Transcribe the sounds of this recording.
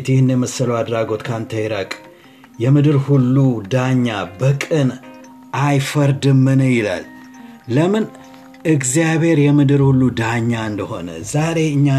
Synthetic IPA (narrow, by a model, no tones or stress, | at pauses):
t̪jɪhɨnːjɛməsːələwad̪ɾaɡo̞t̪kʰant̪ʰəjɾakʼ | jɛmɨd̪ɨɾhulːud̪aɲːabəkʼɨn | ʔajfəɾd̪ɨmːɨnəjɪla̰lː | əmɨn | ɨɡzijaβhe̞ɾjɛmɨd̪ɨɾhulːud̪aɲːaɨnd̪əho̞nə̰zaɾe̞ɨɲːa